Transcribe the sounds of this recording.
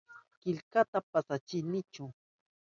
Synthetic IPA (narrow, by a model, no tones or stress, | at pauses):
kɪʎkat̪apasat͡ʃɪnɪt͡ʃʊ